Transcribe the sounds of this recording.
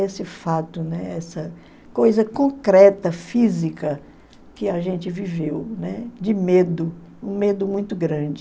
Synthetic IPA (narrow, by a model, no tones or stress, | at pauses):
esɪfat̪ʊnɛɛsɐ | kojzɐkõkɾɛt̪ɐfizikɐ | kɪaʒẽnt͡ʃɪvivewnɛd͡ʒɪmed̪ʊ | ũmed̪ʊmũj̃t̪ʊɡɾɐ̃d͡ʒɪ